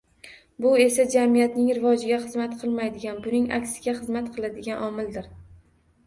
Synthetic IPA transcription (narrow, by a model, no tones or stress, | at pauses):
bʊe̞sad͡ʒamijat̪nɪŋɾɪvɒd͡ʒɪɡʲaχɨzmat̪qʰɨlˠmajd̪ɪɡʲanbʊnɪŋa̰kʲsɪ̥ɡʲaχɨzmat̪qʰɨlˠad̪ɪɡʲanʔɒmɪld̪ɪɾ